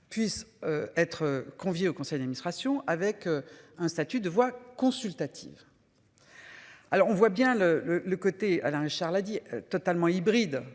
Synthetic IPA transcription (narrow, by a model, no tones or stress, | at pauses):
pɥisøɛt̪χəkɔ̃vjeokɔ̃sɛjd̪ad̪minist̪χasjɔ̃ʔavɛkøɛ̃st̪at̪yd̪əvwakɔ̃sylt̪at̪ʰḭv | alɔʁɔ̃vwabjɛ̃lələləkot̪ea̰lɛ̃ʁiʃaʁlad̪iø̰t̪ɔt̪almɑ̃ibʁid̪